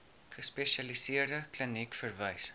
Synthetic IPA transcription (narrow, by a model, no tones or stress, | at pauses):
χəspeʃɐlisiərdəklənikfərvəjs